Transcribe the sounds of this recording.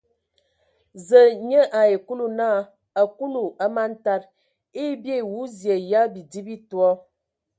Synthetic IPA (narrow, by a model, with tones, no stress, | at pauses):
zə˨ɲə˦ʔa˨e˨ku˦lu˦naː˦˨ | a˨ku˦nu˨a˦ma˦n̩˦ta˦ɾ | e˦bje˦˨wu˦zje˨ja˦bi˨di˦bi˦twɔ˦